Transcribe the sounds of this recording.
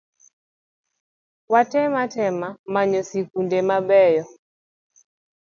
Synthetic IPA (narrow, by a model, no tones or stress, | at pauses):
watɛmatɛmamaɲɔsikundemabɛjɔ